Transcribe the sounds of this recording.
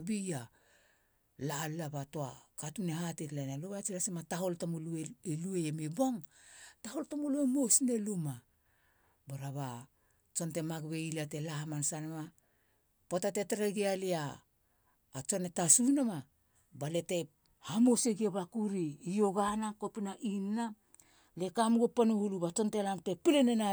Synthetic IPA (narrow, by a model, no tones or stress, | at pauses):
bija | laːlːabatoakatunehatetlenaluβaat͡ʃilasemataho̞ltamulueelueemibo̞ŋ | taho̞ltamoluemosne̞luma | baɾaβa | t͡ʃo̞nte̞maɡbe̞ilatelahamansanema | potate̞teɾeɡialiaː | t͡ʃo̞netasunama | bale̞te̞ | hamoseɡiabakuɾiːoɡanakopinaʔinːa | le̞kamɡopanuhuluβat͡ʃo̞ntelamtepilenena